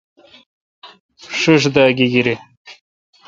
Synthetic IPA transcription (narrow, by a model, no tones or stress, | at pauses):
ʂɨʂ̬d̪aːɡiɡiɾi